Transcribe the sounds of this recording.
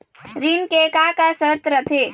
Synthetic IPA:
ɾinkekakasət̪ɾət̪ʰeː

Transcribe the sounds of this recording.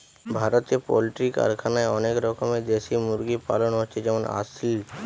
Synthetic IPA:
bʱaːɾət̪epɔ̰lɪʈika̰ɾkʰanaeɔnekɾɔkəmẽd̪eːsimʊɾɡipa̰ːlənɦɔt͡ʃʰed͡ʒɛʋəna̰sil

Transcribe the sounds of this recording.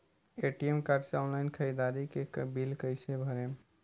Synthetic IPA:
eʈiemkaɾɖseɔnlaɪnkʰəid̪aɾikekbilkəɪsebʱəɾe

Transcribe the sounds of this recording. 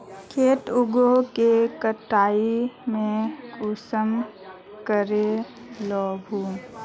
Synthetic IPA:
kʰeːʈʊɡokekəʈaːimẽʊsəm | kəɾe | lɔːbʱuːm

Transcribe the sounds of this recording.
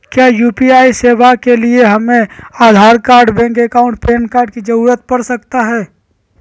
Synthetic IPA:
kjaːjuːpiaːiseːʋakelieɦɐmẽaːd̪ʱaːɾkaːɾɖbɛ̃ːŋkekaːʊ̃ɳʈpeːnkaːɾɖkid͡ʒɐɾuːɾət̪̚pɐɾsɐk̚t̪aɦɛː

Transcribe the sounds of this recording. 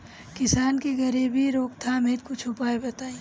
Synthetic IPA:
kɪsaːnkiɡəɾiːbʱiɾoːkt̪ʰameːt̪̚kʊt͡ʃʰʊpaːebɐt̪aːĩː

